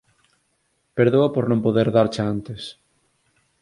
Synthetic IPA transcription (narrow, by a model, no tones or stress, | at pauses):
peɾðoapoɾnõmpoðeɾðaɾt͡ʃaant̪es